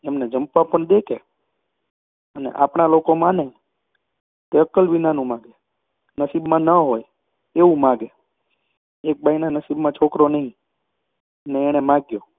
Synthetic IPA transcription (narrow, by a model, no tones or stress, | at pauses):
emned͡ʒəmpʋãpəɳd̪ekʰe | ənḛʔa̰pɳ̃alokomãne | t̪eəkəlʋinanũmãɡe | nəsibmãnəɦoj | eʋũmãɡe | ek̚bainanəsibmãt͡ʃʰokɾonəɦĩ | əneːɽ̃emãɡjo